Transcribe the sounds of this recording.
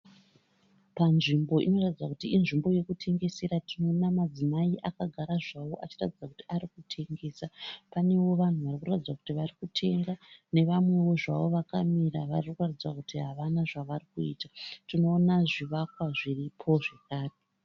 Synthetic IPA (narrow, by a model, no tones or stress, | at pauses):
panʐimbo̞ʔino̞ratid͡zwakutiːnʐimbo̞je̞kutʰe̞ŋɡe̞se̞ɾatino̞namad͡zimaiʔakaɡʱaɾaʐaʋo̞ʔat͡ʃiratid͡zakutiaɾikutʰe̞ŋɡe̞ːsapane̞wo̞ʋan̤uʋarikuratid͡zwaku̥tiʋarikutʰe̞ɡane̞ʋamwe̞ʋo̞ʐa̰ʋo̞ʋakamiraʋariukuratid͡zwakutiɦaʋanaʐaʋarikuiːtatino̞ːnaʐiʋakwaʐiripʰo̞ʐekaːri